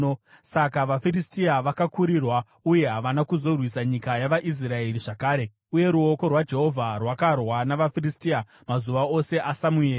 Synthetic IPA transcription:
sakaʋafiristiaʋakakuɾirwa | uje̞ɦaʋanakuzo̞rwisaɲikajaʋaʔis̬rae̞ɾiʐakaːɾe̞ | uje̞ɾuo̞ko̞rwad͡ʒe̞ɦo̞vʱarwakarwanaʋafiristia | mazuʋao̞se̞ʔasamueːr

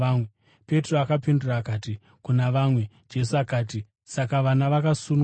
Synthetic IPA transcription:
aːmwe | pe̞troakapinduraːkaːti | kunaʋaːmwe̞ | d͡ʒe̞s̬uakaːti | sakaʋanaʋakasun

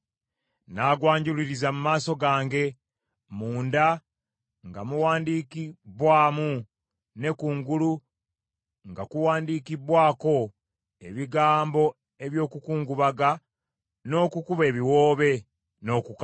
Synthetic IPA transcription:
naːɡwaːɲɟuliɾizamumaːso̞ɡaːŋɡe̞ | muːnda | ŋɡamuwaːndiːkibwaːmu | ne̞kuːŋɡulu | ŋɡakuwaːndiːkibwaːko̞ | e̞̰βiɡaːmbo̞ | e̞βjo̞ːkukuːŋɡuβaɡa | no̞ːkukuβe̞ːβiwo̞ːβe̞ | no̞ːkuk

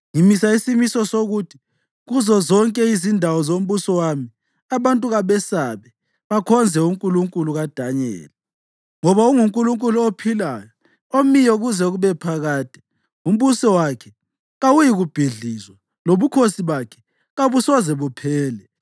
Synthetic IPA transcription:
ŋimisaisimisɔsoɣuːtʰi̥ | ɣuzɔzɔŋkʼɛizindʱawɔzom̩βusɔwami | aβantʼuɣaβɛsaβɛ | βakʰɔnd͡zʱɛuŋkʼuluŋkʼuluɣad̥ʱaɲɛ̰ːlɛ | ŋɔβauŋuŋkʼuluŋkʼuluopʰilajɔ | omijɔɣuzɛɣuβɛpʰaɣaːtʰʼi̥ | um̩βusɔwakʰɛ̥ | ɣawujiɣub̥ʱiɮizwa | loβukʰosiβakʰɛ̥ | ɣaβusɔzɛβupʰɛːlɛ

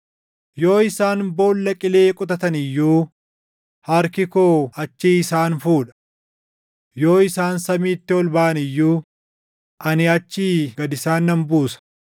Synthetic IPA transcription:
jo̞ːɪsaːnbo̞ːlːɐkʼɪle̞ːkʼʊt̪ɐt̪ɐnɪjːuː | hɐɾkɪkoːɐt͡ʃːiːɪsaːnfuːᶑɐ̥ | joːɪsaːnsɐmiːt̪ːɪɔlbaːʔɐnɪjːuː | ʔɐnɪɐt͡ʃːiːɡɐd̪ɪsaːnːɐmbuːsɐ̥

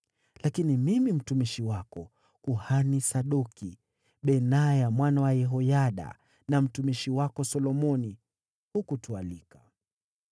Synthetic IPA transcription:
lakinimimim̩tumiʃiwakɔ | kuhanisaɗuki | ɓɛnajamwanawajɛɦɔjaɗa̰ | nam̩tumiʃiwakɔsɔlɔmɔni | hukutualika

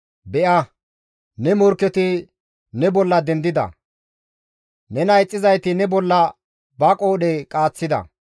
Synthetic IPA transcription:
bɛʔɐ | nɛmɔɾkːɛt̪ɪ | nɛbɔlːɐd̪ɛnd̪ɪd̪ɐ̰ | nɛnɐjt͡sʼːɪzɐjt̪ɪnɛbɔlːɐ | bɐkʼoːɗɛkʼaːt͡sːɪd̪ɐ̰

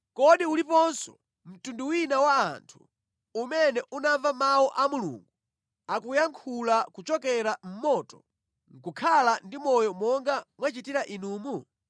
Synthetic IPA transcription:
kɔɗiulipɔnsɔ̥ | m̩tunduwinawaːntʰu̥ | umɛnɛʔunavamawɔʔamulṵːŋɡu | akujaŋkʰulakut͡ʃɔkɛɾam̩mɔtɔ | ŋ̩kukʰalandimɔjɔmɔŋɡamwat͡ʃitiɾaʔinuːmu

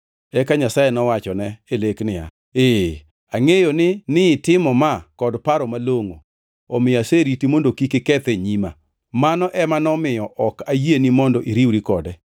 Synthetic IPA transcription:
ɛkaɲasajenɔwat͡ʃɔnɛeleknɪja̰ | e | aŋejonɪnɪtɪmɔmakɔdpaɾɔmaloŋo̰ | ɔmɪjaseɾitimondokikɪkɛt̪eɲima̰ | manɔʔɛmanɔmɪjɔʔɔkajenimɔndɔʔiɾiwɾikɔdɛ

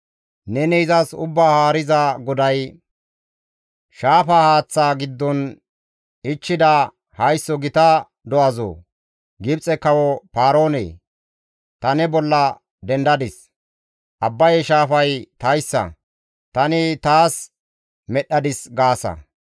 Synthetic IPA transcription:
nɛnɛɪzɐsʊ̰bːaːhaːɾɪzɐɡɔd̪ɐj | ʃaːfahaːt͡sːaːɡɪd̪ːɔn | ɪt͡ʃːɪd̪ɐ | hɐjsːɔɡɪt̪ɐ | d̪ɔʔɐzo̰ː | ɡɪbt͡sʼɛkɐwɔpaːɾoːnḛː | t̪ɐnɛbɔlːɐ | d̪ɛnd̪ɐd̪ɪs | ʔɐbːɐjɛʃaːfɐjt̪ɐjsːɐ̰ | t̪ɐnɪt̪aːs | mɛɗːɐd̪ɪsɡaːsɐ̰

